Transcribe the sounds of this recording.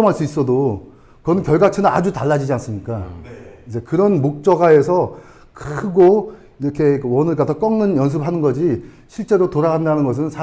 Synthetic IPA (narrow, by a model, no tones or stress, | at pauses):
ʌmɦaɭs͈uis͈ʌdo | kʌnɯnkjʌɭɡat͡ɕʰɯnɯna̰d͡ʑutaɭːad͡ʑid͡ʑians͈ɯmɲik͈aid͡ʑe̞kɯɾʌnmok̚t͡ɕ͈ʌɡae̞s̬ʰʌ | kʰɯɡo | iɾʌkʰe̞kɯwʌnɯɭɡatʰʌk͈ʌŋnɯnjʌns̬ʰɯbɦanɯnɡʌd͡ʑi | ɕʰiɭt͡ɕ͈e̞ɾotoɾaɣandanɯnɡʌs̬ʰɯnt͡ɕa